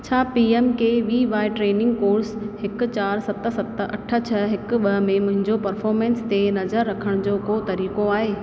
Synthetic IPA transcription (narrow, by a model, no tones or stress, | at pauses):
t͡ɕʰaːpiːemkeʋiːʋaːɪʈɾeːnɪ̃ŋɡkoːɾshɪkʊ̆t͡ɕaːɾsɐt̪sɐt̪ɐ̰ʈʰə̆t͡ɕʰɐɦɪkʊɓɐɦmẽmʊ̃ɦɪ̃ɲd͡ʑopɐɾfɔːɾmẽːnst̪enɐzəɾːɐkʰəɽ̃d͡ʑoːkot̪ɐɾiːkoaːɦeː